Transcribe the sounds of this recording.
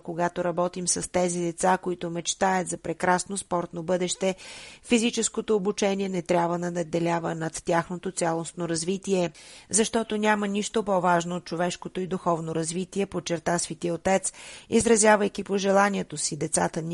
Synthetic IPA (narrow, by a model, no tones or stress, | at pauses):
koɡat̪oɾɐbɔt̪imsɐst̪ɛzid̪ɛt̪sakoit̪omɛt͡ʃt̪aət̪zɐpɾɛkɾasnospɔɾt̪nobɤd̪ɛʃt̪ɛfizit͡ʃɛskot̪oːbut͡ʃɛnʲiɛnɛt̪ɾʲabvənɐd̪ɐd̪ːɛlʲavənɐt̪ːʲaxnot̪ot̪sʲalˠosnoɾɐzvit̪iɛzɐʃt̪ɔt̪onʲamənʲiʃt̪opɔvaʒnoːt̪̚t͡ʃovɛʃkot̪oid̪uxɔvnoɾɐzvit̪iɛpot͡ʃɛɾt̪asvit̪iəot̪ɛt̪sizɾɐzʲjavəjkipoʒɛlˠaniɛt̪osid̪ɛt̪sa̰t̪ən